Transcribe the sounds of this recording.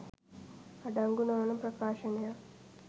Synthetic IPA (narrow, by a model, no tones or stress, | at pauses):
aɖɐŋɡunɐʋɐnɐmpɾɐkaːʃɐnɐja